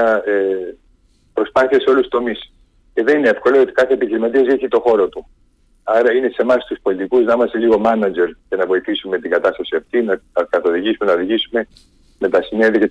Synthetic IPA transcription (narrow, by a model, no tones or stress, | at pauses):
ɐe | pɾo̞spɐθiɐse̞o̞lust̪o̞mis | ce̞ðe̞nineefko̞loo̞t̪ikɐθe̞epiçiɾimɐt̪̬iɐzeçit̪o̞xo̞ɾo̞t̪u | ɐɾɐine̞se̞mɐst̪uspo̞lit̪ikuznɐimɐst̪e̞liɣo̞mɐnɐd͡ʒe̞ɾce̞nɐvo̞iθisume̞t̪iŋɡɐt̪ɐst̪ɐsiɐft̪inɐɐkɐθo̞ðiʝisume̞nɐoðiʝisume̞ | me̞t̪ɐsineðiɐce